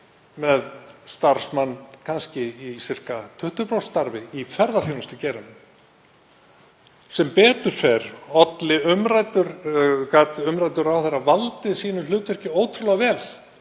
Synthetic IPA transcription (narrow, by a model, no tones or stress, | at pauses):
mɛðst̪aɾ̥smanːkʰanscɪisɪr̥kat̪ʰʏht̪ʏpɾowst̪aɾvɪifɛɾðaθjoːwnʏst̪ʏcɛːɾʏn | sɛmpɛːt̪ʏɾ̥fɛɾɔt̪lɪʏmɾaːjt̪ʏɾkat̪ʏmɾajt̪ʏɾawθeɾavalt̪ɪðsiːnʏlʏːt̪vɛr̥cɪoːwt̪ʰɾʏlɛɣvɛːl